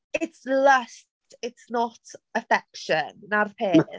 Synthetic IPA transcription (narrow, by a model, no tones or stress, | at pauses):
ɪtsləst | ɪtsnɔtʰəfɛkʃənːarpʰeːn